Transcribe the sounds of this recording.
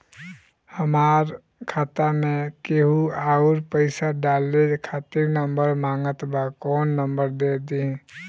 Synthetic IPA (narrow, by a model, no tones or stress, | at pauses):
həmaːɾ | kʰaːt̪amẽkeɦuaːʊɾpəɪsaɖaːlːekʰaːt̪iɾnəmbəɾmaːŋɡət̪bakɔːnːəmbəɾd̪eːd̪iɦɛ̃